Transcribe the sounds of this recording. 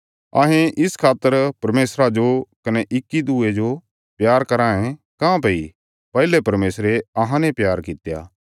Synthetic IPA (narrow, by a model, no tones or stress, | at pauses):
ɐ̰ɦẽʔɪskʰaːt̪ːəɾpɐɾmeːsɾad͡ʒokɐnɛʔɪkːid̪uːed͡ʒo | pjaːɾkɐɾãːẽ | kãːpɐi | pɛɦlepɐɾmeːsɾeɐɦãnẽpjaːɾkɪt̪ja̰ː